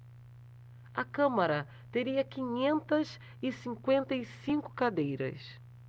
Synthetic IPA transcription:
ɐkɐ̃mɐɾɐ | t̪eɾiɐkĩɲẽnt̪ɐz | ɪsĩŋkwẽnt̪ɐisĩŋkʊ̥kad̪ejɾɐ̰s

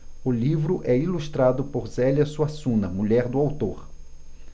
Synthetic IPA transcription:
ʊlivɾʊʔɛiluʃt̪ɾad̪ʊpoɾzɛljɐsuasũnɐmuʎɛɾd̪ʊawt̪oɾ

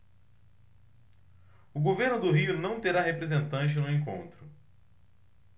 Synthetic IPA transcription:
ʊɡoveɾnʊd̪ʊɦiʊnɐ̃w̃t̪eɾaɦepɾezẽnt̪ɐ̃nt͡ʃɪnʊẽŋkõ̰nt̪ɾʊ

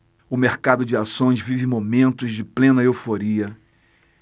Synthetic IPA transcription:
ʊmeɾkad̪ʊd͡ʒɪasõj̃zvivɪmomẽnt̪ʊzd͡ʒɪplẽnɐewfoɾiɐ

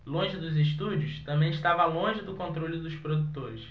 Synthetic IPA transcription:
lõʒɪd̪ʊzɪʃt̪ud͡ʒʊst̪ɐ̃mbẽj̃ɪʃt̪avɐlõʒɪd̪ʊkõnt̪ɾolʲʊd̪ʊspɾod̪ut̪oɾɪs

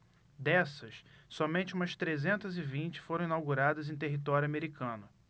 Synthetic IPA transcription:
d̪ɛsɐsːɔmẽnt͡ʃɪũmɐst̪ɾezẽnt̪ɐzɪvĩnt͡ʃɪ̥foɾɐ̃w̃ĩnawɡuɾad̪ɐzẽj̃t̪eɦit̪ɔɾjuameɾikʰɐ̃nʊ

